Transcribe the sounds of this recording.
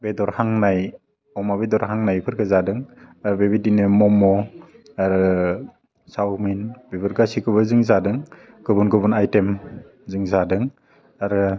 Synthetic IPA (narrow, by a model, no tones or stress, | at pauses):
bedɔɾhaŋnaj | ɔmaβedɔɾɦaŋnajpʰɯɾkazadɯŋaɾbebidinɯmɔmɔ | aɾɯ | sawminbibɯɾɡasikɯbɯzɯŋzadɯŋ | ɡɯbunɡɯbunajtem | zɯŋzadɯŋ | aɾɯ